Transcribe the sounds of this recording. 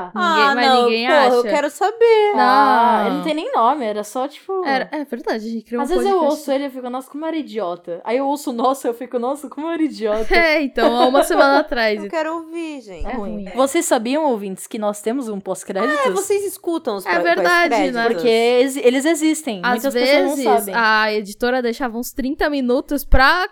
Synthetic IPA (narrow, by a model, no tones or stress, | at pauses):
nĩãɡẽjnmaɐ̃ĩɡẽj̃pohɐewkɛɾʊsabeɾɐ̃nɐ̃t̪ẽj̃nẽj̃nõmɪɛɾɐsɔt͡ʃi̥pʊɛɾɐɛveɾd̪ad͡ʒɐʒẽnt͡ʃɪkɾiwazvezɪzewowsʊelɪewfikʊnɔsʊkõmʊɛɾɐid͡ʒiɔt̪ɐa̰iewowsʊnɔsʊewfikʊnɔsʊkõmʊɛɾɐid͡ʒiɔt̪ɐɛẽt̪ɐ̃w̃aũmɐsemɐ̃nɐat̪ɾajskɛɾʊowviʒẽɛ̃ĩvosesːabiɐ̃w̃owvĩt͡ʃɪ̥skɪnɔst̪ẽmʊzũposkɾɛd͡ʒit̪ʊvosejzɪskut̪ɐ̃w̃ʊsɛveɾd̪ad͡ʒɪɛpoɾkeezelɪzezist̪ẽj̃m̃zt̪ɐskvezznɐ̃w̃ɪsasbẽɐed͡ʒit̪oɾɐd̪ejʃavɐũst̪ɾĩnt̪ɐminut̪ʊspɾɐ